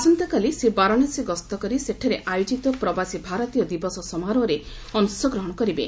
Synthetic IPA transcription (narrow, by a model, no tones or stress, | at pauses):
sɔnt̪ɔkalisebaɾɔɽ̃asiɡɔst̪ɔkɔɾiseʈʰaɾeʔajud͡ʒit̪ɔpɾɔbasibʱaɾɔt̪ijɔd̪ibɔsɔsɔmaɾɔɾe | ɔnusjɔɡɾɔɦɔɽ̃ɔkɔɾibḛ